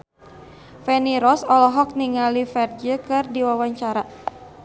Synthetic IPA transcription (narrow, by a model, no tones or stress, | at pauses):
fɛniɾɔsɔlɔɦɔk̚niŋalifɛrd͡ʒəkɨrdiwawaɲt͡ʃaɾa